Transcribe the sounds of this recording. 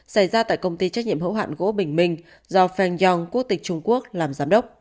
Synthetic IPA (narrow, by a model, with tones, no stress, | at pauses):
sa˧˩jzaː˧t̪a̰ː˧˨jkə˧wŋ͡mt̪i˧t͡ɕk̚ɲi˧əmhə̰˧˥wɦa̰ː˧˨nɣo̰˧˥ɓï˧˩ŋ̟mï˧˩ŋ̟ | zɔ˧fɛ˧nzɔ˧ŋku˦˥ək̚t̪ï˨˩k̟̚t͡ɕʊ˧ŋ͡mku˦˥ək̚laː˨˩mzaː˨˦mɗə˦˥wk͡p̚